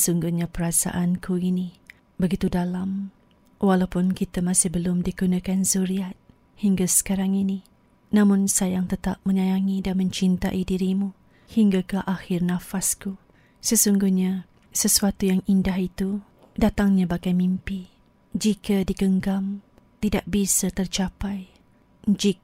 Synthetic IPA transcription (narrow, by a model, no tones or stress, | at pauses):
əsuŋɡuhɲapəɾasa̰ʔankʰuini | bəɡit̪udalam | walawpʊnkit̪amasɪhbəlʊmdikunakanzuɾiat̪̚ | hiŋɡasə̥kaɾaŋini | nãmʊnsajaŋt̪ət̪ap̚mə̃ɲajaŋidanmə̃ɲt͡ʃint̪aʔidiɾimu | hiŋɡakaʔaxɪrnãfasku | səsuŋɡuhɲa | səsuat̪ujaŋindaɦit̪u | dat̪aŋɲabaɡajmimpi | d͡ʒikadiɡəŋɡam | t̪idaʔ̚bisat̪ərt͡ʃapaj | d͡ʒik̚